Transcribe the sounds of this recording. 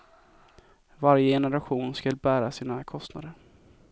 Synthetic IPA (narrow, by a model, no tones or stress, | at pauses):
vaɾjəjɛnəɾaɧuːnskɵlbæːɾasiːnakʰɔst̪na̰d̪əɾ